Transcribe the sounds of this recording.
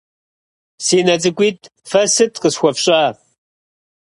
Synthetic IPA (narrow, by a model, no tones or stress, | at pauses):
siːnɐt͡sʼɨkʷʼiːt̚ʰ | fɐsɨtʰqəsxʷɔpɕʼaː